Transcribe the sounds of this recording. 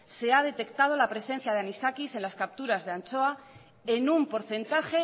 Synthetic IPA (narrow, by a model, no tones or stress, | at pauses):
se̞að̞e̞t̪e̞kt̪að̞o̞lapɾe̞sẽ̞n̟θjað̞eanisakise̞nlaskap̚t̪uɾazðeant͡ʃo̞a | enumpo̞ɾθe̞nt̪axe̞